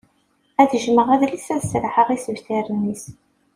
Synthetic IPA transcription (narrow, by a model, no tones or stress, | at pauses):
æðəʒməʁæðlisæðsɾħəʁisəvθiɾənːis